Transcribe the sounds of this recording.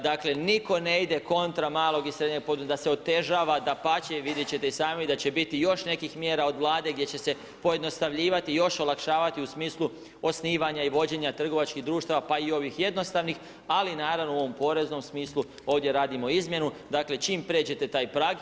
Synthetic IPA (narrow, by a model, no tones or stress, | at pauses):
d̪akle̞niko̞ne̞id̪e̞ko̞nt̪ɾamaːlˠo̞ɡisɾe̞d̪ɲeɡ̚pod̪ud̪aseo̞t̪e̞ʒaːʋad̪apat͡ɕeʋid̪jet͡ɕe̞t̪e̞isaːmid̪at͡ɕe̞bit̪ijo̞ʃne̞kixmje̞ːɾao̞d̪ʋlˠaːd̪e̞ɡ̚dʲjet͡ɕe̞se̞ | po̞je̞d̪no̞st̪aʋʎiːʋat̪ijo̞ʃo̞lakʃaːʋat̪iusmiːslˠu | o̞sniːʋaɲaiʋo̞d͡ʑe̞ɲat̪r̩ɡo̞ʋat͡ʃkiɦd̪ɾuːʃt̪aːʋapaio̞ʋixje̞d̪no̞st̪aʋnix | alinaːɾaʋnouo̞ʋo̞mpo̞ɾe̞zno̞msmiːslˠu | o̞ːʋd̪je̞ɾaːd̪imo̞izmje̞nud̪akle̞t͡ʃiːmpɾe̞ːt͡ɕe̞t̪e̞t̪aːjpɾaːɡ